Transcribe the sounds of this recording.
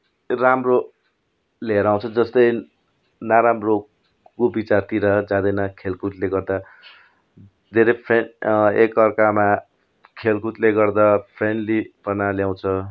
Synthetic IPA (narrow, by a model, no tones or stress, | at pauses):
ramro | leɾaw̃t͡sʰʌd͡zʌst̪ʌj | naɾamro | kobit͡sart̪iɾʌd͡zãd̪ʌjnʌkʰelkut̪leɡʌrd̪a | d̪ʱeɾʌpʰenekʌrkama | kʰelkut̪leɡʌrd̪apʰrenlipʌnaljaw̃t͡sʰʌ